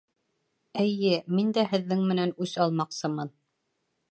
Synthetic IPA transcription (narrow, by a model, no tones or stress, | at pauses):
ɘ̆jɘmind̪æhɘ̆ðːɘŋmɘ̆nænʉsɑlˠmɑqsɤmɤn